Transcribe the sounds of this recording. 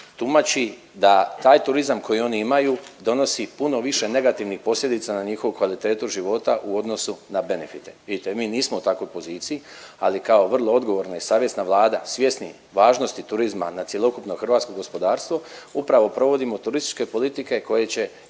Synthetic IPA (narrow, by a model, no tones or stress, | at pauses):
t̪umat͡ɕi | d̪at̪aːjt̪uɾizamkʰo̞jio̞niimajud̪o̞no̞sipuno̞ʋiʃe̞ne̞ɡat̪iʋnixpo̞sʎʲed̪it̪sanaɲixo̞ʋukʋalit̪e̞ːt̪uʒiʋo̞t̪aʔuo̞d̪no̞sunabe̞ne̞fit̪eʋid̪it̪e̞miːniːsmout̪ako̞jpo̞ziːt̪sijia̰likao̞ʋr̩lˠo̞o̞d̪ɡo̞ʋo̞ɾnaisaːʋje̞snaʋlˠaːd̪asʋje̞snḭ | ʋaːʒno̞st̪it̪uɾizma̰nat̪je̞lˠo̞kupno̞xr̩ʋat̪sko̞ɡo̞spo̞d̪aːɾst̪ʋo̞upɾaʋo̞pɾo̞ʋo̞d̪imo̞t̪uɾist̪i̥t͡ʃke̞po̞lit̪ike̞ko̞jet͡ɕe̞